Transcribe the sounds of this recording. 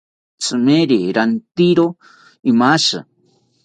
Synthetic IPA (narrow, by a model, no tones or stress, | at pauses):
t͡sʼɨmeɾiɾant̪iɾo | imaʃɨ̰